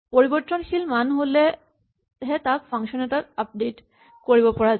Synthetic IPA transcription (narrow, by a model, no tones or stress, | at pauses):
poɹibɔtːɔnxʰilmanɦolɛ | ɦɛtak̚pʰaŋsɔnɛtatap̚det | koɹibɔpɔɹaz